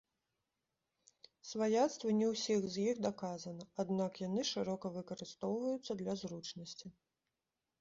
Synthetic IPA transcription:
svajat̪st̪vɐnʲɛwsʲixzʲjixd̪akazɐnɐad̪nakjanɨʂɨɾɔkɐvɨkɐɾɨst̪ɔwvɐjut̪sːɐd̪lʲɐzrut͡ʂnɐsʲt͡sʲi

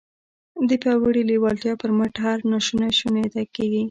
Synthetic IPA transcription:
d̪əpjɑwəɽiliwɑlt̪jɑpəɾmaʈɦaɾnaʃunaʃunet̪akeɡi

